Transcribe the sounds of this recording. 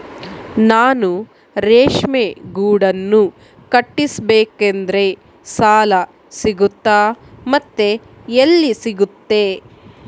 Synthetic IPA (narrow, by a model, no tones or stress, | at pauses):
naːnu | ɾeːʂmeɡuːɽɐnːu | kɐʈːisbeːkend̪ɐɾe̞ | saːlɐ | siɡut̪ːaːmɐt̪ːe | elːisiɡut̪ːe̞ː